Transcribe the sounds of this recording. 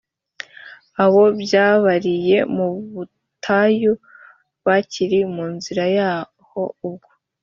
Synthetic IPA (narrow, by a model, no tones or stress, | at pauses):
aβo̞bjaːβaɾije̞muβu | tʰaju | βaciɾimuːnziɾajaː | ho̞ub̚ɡo